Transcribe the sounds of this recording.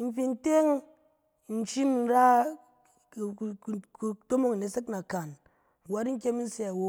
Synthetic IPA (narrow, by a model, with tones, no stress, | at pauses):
n̩˦fi˧n̩˦te˦ŋ˨ | n̩˦t͡ʃi˦m˨n̩˦ɾa˦˨˧ | to˦mo˦ŋ˨ne˨˦se˦kna˨ka˨n˨ | wa˦ɾi˦ŋ̩˦kʲe˦mi˦n̩˦se˨˦a˨wo˦